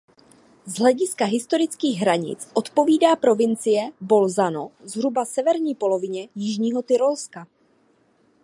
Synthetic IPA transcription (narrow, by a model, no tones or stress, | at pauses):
zɦlɛɟɪskaɦɪst̪o̞ɾɪt͡skiːɣɦɾaɲɪ̰t͡sʔo̞t̪po̞viːdaːpɾo̞vɪnt͡sɪjɛbo̞lzano̞zɦɾubasɛvɛɾɲiːpo̞lo̞vɪɲɛjɪʒɲiːɦo̞t̪ɪɾo̞lska